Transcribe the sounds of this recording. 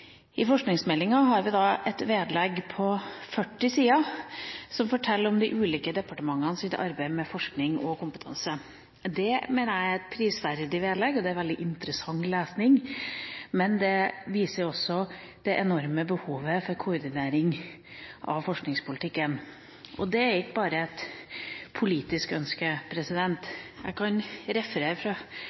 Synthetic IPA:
ɪfɔʂknɪŋsmɛlːɪŋɑɦɑɾʋɪd̪ɑɛt̪ʋeːd̪lɛɡpʰɔfœʈːɪsiːɑ | sɔmfɔʈʰɛlːɾɔmd̪ɪʔʉːliːkəd̪ɛpɑʈəmɑŋːɑnsɪt̪ʰɑ̰ɾbæɪmɛfɔʂknɪŋɔ̰kʊmpə̥t̪ʰɑ̰nsə | d̪ɛmeːnəɾæɪɛt̪̚pʰɾiːsʋæɾd̪ɪʋeːd̪lɛːɡɔd̪ɛæɾʋɛld̪ɪʔɪnt̪əɾəsɑŋleːsnɪŋ | mɛnd̪ɛʋiːsəɾɔsːɔ | d̪̥ɛʔɛnɔɾməbəhuːʋəfɔɾkʰʊɾd̪ɪneːɾɪŋ | ʔɑ̰ʋfɔʂknɪŋspʊlɪt̪ʰɪkːən | ʔɔd̪ɛæɾɪkːəbɑːɾəɛt̪ | pʰʊliːt̪ɪskœnskəpʰɾɛsɪd̪ɛnt̪jæ̰ɪkʰɑnɾɛfɾəfɾɑ

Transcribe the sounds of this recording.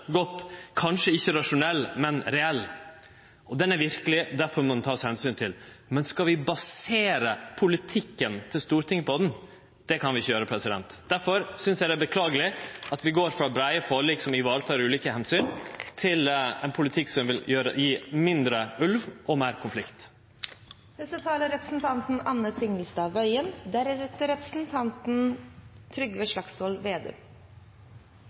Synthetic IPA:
ɡɔt̪ːkʰɑnʂəɪçːəɾɑʂʊnɛlːmɛnɾɛɛlː | ʔɔd̪ɛnæɾʋɪɾkəlɪd̪æɾfɔɾmɔd̪nt̪ʰɑːshɛnsyːnt̪ʰɪl | mɛnskɑʋɪbɑseːɾəpʰʊlɪt̪ʰɪkːənt̪ʰɪlst̪uːɾʈ̪ʰɪŋːəpʰɔd̪ɛn | d̪̥ɛkʰɑnʋɪɪçːəjøːɾəpʰɾɛsɪd̪ɛ̰nt̪d̪̥æɾfɔɾsʏnsjæɪd̪æbəkʰlɑːɡəlɪʔɑt̪ʋɪɡoːɾfɾɑːbɾæɪəfoːɭiːksɔmɪʋɑːɾət̪ʰɑːɾʉːliːkəhɛnsyːnt̪ʰɪlɛnpʰʊlɪt̪ʰɪkːsɔmʋɪljøːɾə̰jiːmɪnd̪ɾəʔʉlʋʔɔmeːɾkʰʊnflɪkt̪ | d̪ɛsət̪ʰɑːləɾɛpɾə̥sn̩t̪ʰɑnt̪n̩ɑnːət̪ʰɪŋəlsd̪ɑːʋœʏənd̪æɾæɾɛt̪əɾɛpɾə̥sn̩t̪ʰɑnt̪n̩t̪ʰɾʏɡʋeːʂlɑksɔlʋeːd̪ḛː

